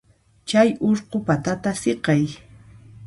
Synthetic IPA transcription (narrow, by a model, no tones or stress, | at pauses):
t͡ʃajoɾqopat̪at̪aseqɑj